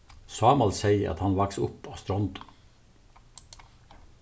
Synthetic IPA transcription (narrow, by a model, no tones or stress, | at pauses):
sɑːmɑlsæɪɑ̰t̪hɑnʋɑksʊ̰poːst̪ɾɔnd̪